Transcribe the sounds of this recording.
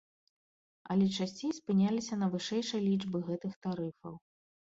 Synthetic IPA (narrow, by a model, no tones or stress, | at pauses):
ɐ̰lʲɛt͡ʂasʲt͡sʲejspɨnʲalʲisʲɐnɐvɨʂɛjʂɨjlʲid͡ʐbɨɣɛt̪ɨxt̪aɾɨfɐ̰w